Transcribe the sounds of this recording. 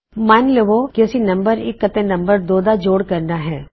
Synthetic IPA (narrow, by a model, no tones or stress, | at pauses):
maɪnleʋokesinɐ̃mbəɾɪkːɐt̪enɐ̃mbəɾd̪oːd̪ad͡ʒoːɽkɐɾnaɦɛː